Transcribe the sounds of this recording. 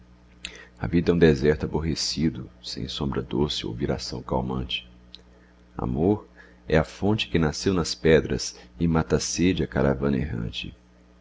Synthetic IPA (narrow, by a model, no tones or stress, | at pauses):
ɐ̰vid̪ɐũd̪ɛzɛɾt̪ʊaboɦesid̪ʊsḛ̃j̃sõmbɾɐd̪osɪo̰wviɾa̰sɐ̃w̃kawmɐ̃t͡ʃɪ̥ | a̰moɾ | ɛɐfõt͡ʃɪ̥kɪnasewnɐspɛd̪ɾɐ̰sɪmat̪ased͡ʒɪɐkaɾavɐ̃neɦɐ̰̃t͡ʃɪ̰